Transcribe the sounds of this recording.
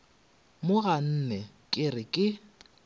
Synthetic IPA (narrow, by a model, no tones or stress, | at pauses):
mʊɣan̩nɛ | kʼɪrɪkʼɪ